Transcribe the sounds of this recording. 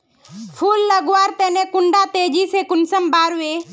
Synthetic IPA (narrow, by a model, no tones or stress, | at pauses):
pʰuːlːəɡwaːɾt̪eːneːkʊɳɖaːt̪eːd͡ʒiːseːkʊnsəmbaːɾʋe